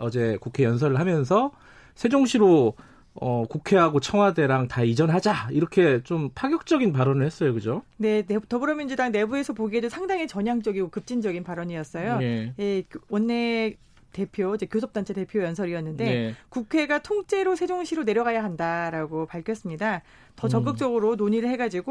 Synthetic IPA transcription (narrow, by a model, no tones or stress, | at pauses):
ʌd͡ʑe̞kukʰe̞jʌns̬ʰʌɾɯɭɦamjʌns̬ʰʌ | sʰe̞d͡ʑoŋɕʰiɾo | ʌkukʰe̞ɦaɡot͡ɕʰʌŋwade̞ɾaŋtaid͡ʑʌnɦad͡ʑaiɾʌkʰe̞t͡ɕompʰaɡjʌk̚t͡ɕ͈ʌɡinpaɾʌnɯɭhes͈ʌjokɯd͡ʑone̞netʌbɯɾʌmind͡ʑudaŋne̞bue̞sʰʌpoɡiɦed͡ʑosʰaŋdaŋit͡ɕʌɲaŋt͡ɕ͈ʌɡiɡokɯp̚t͡ɕ͈ind͡ʑʌɡinpaɾʌɲijʌs͈ʌjojewʌnːe̞ | te̞pʰjoid͡ʑe̞kjosʰʌp̚t͈ant͡ɕʰe̞te̞pʰjojʌnsʰʌɾiʌnːɯnde̞kukʰe̞ɡatʰoŋt͡ɕ͈e̞ɾosʰe̞d͡ʑoŋɕʰiɾone̞ɾjʌɡajaɦandaɾaɡopaɭkʰjʌs͈ɯmɲida | tʌt͡ɕʌk͈ɯk̚t͡ɕ͈ʌɡɯɾonoɲiɾɯɭhɦe̞ɡad͡ʑiɡo